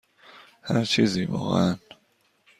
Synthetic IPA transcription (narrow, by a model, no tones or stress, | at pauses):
hæɾt͡ʃʰiːziːvɒ̰ːɣḛʔæn